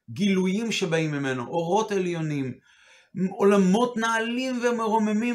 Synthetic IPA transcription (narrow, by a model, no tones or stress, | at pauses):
ɡilujimʃebaimːime̞no̰ʔoʁo̞teljo̞nim | olamo̞tnaːlimvemeʁomemi